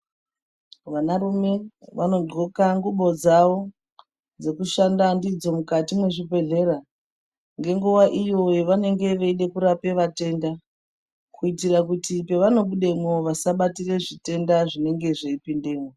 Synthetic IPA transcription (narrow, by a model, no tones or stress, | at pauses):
ʋanaɾume̞ʋano̞dokaŋɡuɓo̞d͡zaʋo̞ | d͡ze̞kuʃandandid͡zo̞mukatimwe̞ʐibe̞ɮe̞ɾa | ŋɡe̞ŋɡuʋaʔijo̞jeʋane̞ŋɡe̞ʋeiɗe̞kuɾape̞ʋate̞nda | kʰuitirakutipe̞ʋano̞ɓuɗe̞mwoʋasaɓatire̞ʐite̞ndaʐine̞ŋɡe̞ʐeipinde̞ːmo